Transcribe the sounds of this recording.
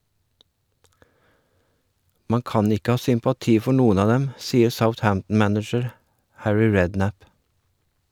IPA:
ˈmɑ ˈkɑːn ˈɪkə ˈhɑː sʏmpɑˈtiː ˈfɔɾ ˈnuːən ˈɑː ˈdɛm ˈsiːəɾ səʊθˈhæmtn̩ ˈmænɪd͡ʒəɾ ˈhæɹɪ ˈɹɛdˌnæp

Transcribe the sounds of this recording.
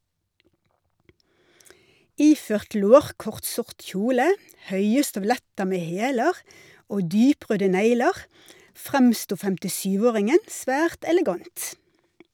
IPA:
ˈiːføːʁt ˈloːʁkɔʁt ˈsʊʁʈ ˈçuːlə ˈhœʏə stœʋˈlɛtə ˈmeː ˈheːləʁ ˈoː ˈdyːˌpʁøːdə ˈnæɪləʁ ˈfʁɛmstuː fɛmtɪˈʃyːʋ ˈoːʁɪŋən ˈsʋæːʁt ɛlɛˈɡɑnt

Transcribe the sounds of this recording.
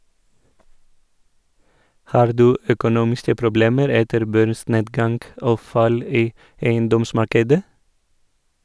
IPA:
ˈhɑːɾ ˈdʉː œkʊˈnuːmɪskə pɾʊˈbleːməɾ ˈɛtəɾ ˈbœɾˌsneːdɡɑŋɡ ˈoː ˈfɑl ˈiː ˈeɪənˌdɔmˌsmɑɾkədə

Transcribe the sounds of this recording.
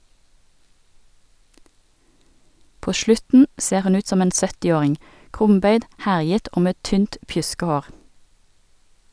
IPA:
ˈpoː ˈʃlʉtn̩ ˈseːʁ ˈhʉn ˈʉːt ˈsɔm ˈeːn ˈsœtɪˌoːʁɪŋ ˈkʁʊmˌbœʏd ˈhæʁjət ˈoː ˈmeː ˈtyːnt ˈpjʉskɛˌhoːʁ

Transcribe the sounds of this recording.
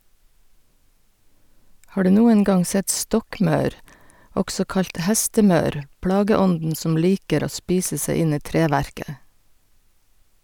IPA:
ˈhɑː ˈɖʉː ˈnuːən ˈɡɑŋ ˈsɛt ˈstɔkˌmɑʉɾ ˈɔɡsɔ ˈkɑʎc ˈhæstəˌmɑʉɾ ˈpɽɑːɡəˌɔndn̩ ˈsɔm ˈliːkəɾ ˈoː ˈspiːsə ˈsæɪ ˈɪn ˈiː ˈtɾeːʋæɾkə

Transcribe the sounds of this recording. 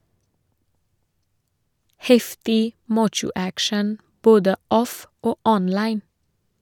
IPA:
ˈhɛftɪ ˈmɑːt͡ʃʊ ˈækʃɳ̩ ˈboːdə ˈɔf ˈoː ˈɔnlɑɪn

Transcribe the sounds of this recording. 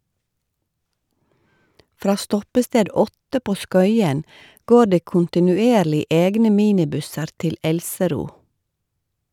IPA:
ˈfɾɑː ˈstɔpəsteːd ˈɔtə ˈpoː ˈskœʏən ˈɡoː ˈɖeː kʊntɪnʉˈeːɾlɪ ˈeːɡnə ˈmiːnɪˌbʉsəɾ ˈtɪl ˈɛlsəˌɾuː

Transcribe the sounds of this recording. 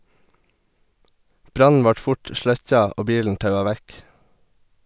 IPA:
ˈbɾɑnn̩ ˈʋɑʈ ˈfʊʈ ˈʃlœc͡çɑ ˈoː ˈbiːln̩ ˈtɑʉɑ ˈʋæk

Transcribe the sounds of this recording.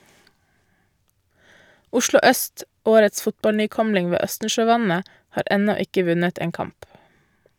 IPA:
ˈʊʃlʊ ˈœst ˈoːɾəts ˈfʊtbɑlnyːˌkɔmlɪŋ ˈʋeː ˈœstn̩ʃøːˌʋɑnə ˈhɑːɾ ˈɛnɔ ˈɪkə ˈʋʉnət ˈeːn ˈkɑmp

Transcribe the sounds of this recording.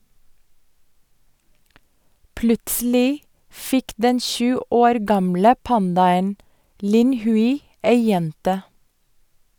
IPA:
ˈplʉtsl̩ɪ ˈfɪk ˈdɛn ˈʃʉː ˈoːɾ ˈɡɑmlə ˈpɑndɑən ˈlɪn ˈhʉɪ ˈeɪ ˈjɛntə

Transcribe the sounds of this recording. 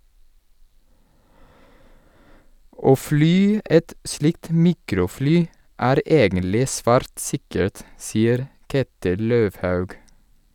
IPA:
ˈoː ˈflyː ˈʔɛt ˈslɪkt ˈmiːkɾʊˌflyː ˈæːɾ ˈʔeːɡənlɪ ˈsʋæːɾt ˈsɪkəɹt ˈsiːəɾ ˈkeːtɪl ˈløːʋhɑʉɡ

